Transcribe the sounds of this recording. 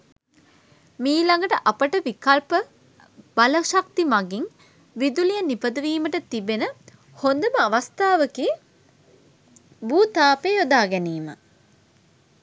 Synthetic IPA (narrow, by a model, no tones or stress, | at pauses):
miːlɐŋɡəʈəʔapəʈəʋikɐlpə | b̥aləʃak̚t̪imaɡiŋ | ʋid̪ulijənipəd̪əʋiːməʈət̪ibenə | hond̪əməɐʋɐst̪aːʋəkiː | buːt̪aːpeːod̪aːɡɛniːma̰